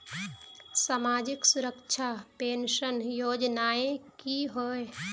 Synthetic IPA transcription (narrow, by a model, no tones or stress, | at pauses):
saːmaːd͡ʒɪksʊɾəkt͡ʃʰapeːnʃənjoːd͡ʒnaːẽkiɦoːe